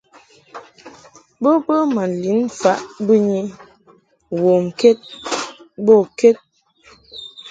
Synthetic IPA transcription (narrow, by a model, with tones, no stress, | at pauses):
bə˦bə˦ma˨n˨li˨˦n̩˨fa˨˦ʔbu˦ɲi˦ | wo˨m̩˨ke˦t̚ | bo˦˨ke˦t̚